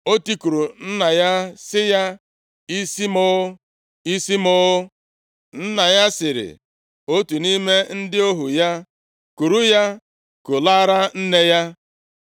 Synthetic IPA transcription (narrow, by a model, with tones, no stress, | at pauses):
o˦ti˦ku˨ɾu˨n̩˦na˨ja˦sɪ˦ja˦ | i˦si˦mʊ˦ | i˦si˦mʊ˦ | n̩˦na˨ja˦sɪ˨ɾɪ̰˨ | o˦tu˨ni˦me˦n̩˦dɪ˦o˦ɦu˨ja˦ | ku˨ɾu˦ja˦ | kʊ˨la˦ɾa˦n̩˦ne˦ja˦